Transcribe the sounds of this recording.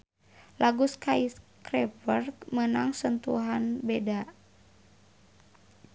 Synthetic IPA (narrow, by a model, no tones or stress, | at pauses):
lʔaɡuskaiskɾɛpərkmənaŋsənt̪ṵɦanbeda